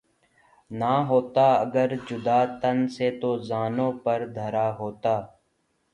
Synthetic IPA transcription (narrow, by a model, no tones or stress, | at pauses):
naːɦoːt̪aːəɡəɾd͡ʒʊd̪aːt̪ənset̪ozaːnõːpəɾd̪ʱəɾaːɦoːt̪aː